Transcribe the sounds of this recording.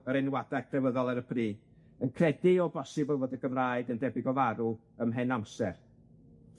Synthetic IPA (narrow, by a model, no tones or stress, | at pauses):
əɾɛnwadakʰrɛvəðɔlˠɛɾəpʰriː | ənkʰrɛdɪɔbɔsɨbəlˠvoːdəɡəmraːɨdəndɛbɪɡɔvaɾu | əmɦɛnamsɛr